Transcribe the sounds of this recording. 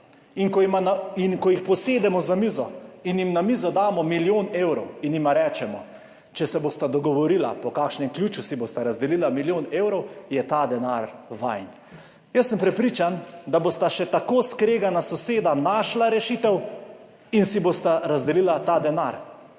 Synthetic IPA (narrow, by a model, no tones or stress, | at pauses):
inkɔmaninkɔjixpɔseːd̪ɛmɔzamizɔinjimnamizɔd̪aːmɔmiljoːneːwɾɔwinjimaɾɛːt͡ʃɛmɔ | t͡ʃɛsɛboːst̪ad̪ɔɡɔʋɔɾila̰pɔkaːkʃnɛmkljuːt͡ʃusiboːst̪aɾazd̪ɛlilamiljoːneːwɾɔwjɛt̪aːd̪ɛnaɾʋa̰jn | jəsːəmpɾɛpɾiːt͡ʃand̪aboːst̪aʃɛt̪akoskɾeːɡanasɔseːd̪anaːʃlaɾɛʃit̪ɛw | insiboːst̪aɾazd̪ɛlilat̪aːd̪ɛnaɾ